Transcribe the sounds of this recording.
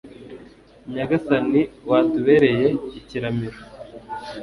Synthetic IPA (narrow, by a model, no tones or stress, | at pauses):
ɲaɡasaniwaːtuβe̞ːɾe̞je̞iciɾamiɾo